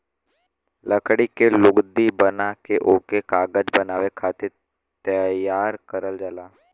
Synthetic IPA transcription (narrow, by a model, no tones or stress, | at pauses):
ləkɽikelʊɡd̪ibənakeʔoːkekaːɡəd͡ʒbənaːʋekʰaːt̪ɪɾ | t̪əjaːɾkəɾəld͡ʒaːlaː